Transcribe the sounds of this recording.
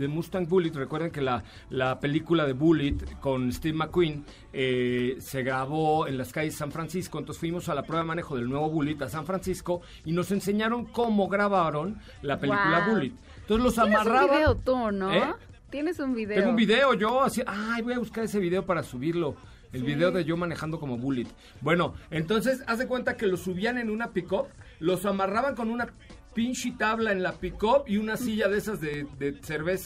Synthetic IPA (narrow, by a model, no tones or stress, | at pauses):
ðemust̪aŋbulit̪re̞kwe̞ɾðe̞ŋke̞la | lape̞likulaðe̞βulit̪ko̞nest̪iβmakwin | ese̞ɣɾaβo̞enlaskaʝezesaɱfɾansisko̞nt̪ose̥fwimosalapɾeβaemane̞xo̞ðe̞lnwe̞βo̞βulit̪asaɱfɾansisko̞ | ino̞se̞nse̞ɲaɾo̞ŋko̞mo̞ɣɾaβaɾo̞n | lape̞likulaβulit̪ | nt̪onselosamaraβeot̪unoe | t̪jenesumbiðeeɡoumbiðe̞o̞ʝo̞asiaʔajβo̞jaβuskaɾe̞se̞βiðe̞o̞paɾasuβiɾlo̞ | e̞lβiðe̞oðe̞ʝo̞mãnexand̪o̞ko̞mo̞βulit̪ | bwe̞no̞e̞nt̪o̞ns̬e̞sazðe̞kwe̞nt̪ake̞lo̞suβiane̞nũnapiko̞plo̞samaraβaŋk̬o̞nũna | pint͡ʃit̪aβlae̞nlapiko̞piunasiʝaðe̞sazðe̞ðese̞ɾβe̞sa